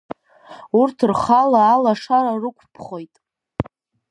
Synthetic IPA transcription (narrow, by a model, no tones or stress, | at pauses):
urtʰrχalaːlaʂaɾarɨkʷʰpʰχo̞jtʼ